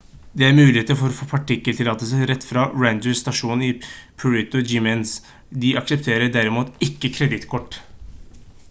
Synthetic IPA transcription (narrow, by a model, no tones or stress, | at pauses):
d̪ɛæɾmʉːlɪheːt̪əɾfɔɾɔfoːpʰɑʈɪkːəlt̪ʰɪlɑːt̪əsæɾɛt̪ːfɾɑɹænd̪əst̪ɑʂuːnɪpʰʉɹɪt̪ʊd͡ʒɪmɛns | d̪ɪʔɑksɛpt̪ʰeːɾəɖæɾɪmuːt̪ɪkːəkʰɾɛd̪ɪt̪kʰɔʈː